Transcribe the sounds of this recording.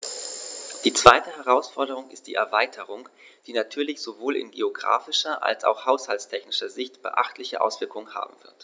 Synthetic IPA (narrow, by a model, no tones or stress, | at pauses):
d̥iːt͡sv̥aɪtəɦɛʁ̞aʊsfɔɐdəʁ̞ʊŋɪst̚d̥ḭːʔɛɐvaɪtʰəʁ̞ʊŋd̥iːnatʰyːɐlɪçz̥ovoːlɪ̰nɡḛoɡʁa̰ːfɪʃɐʔa̰lsa̰ʊxhaʊshaltstʰɛçnɪʃɐzɪçtb̥ə̰ʔa̰χtlɪçəʔa̰ʊsv̥ɪɐkʊŋənha̰ːbm̩v̥ɪɐt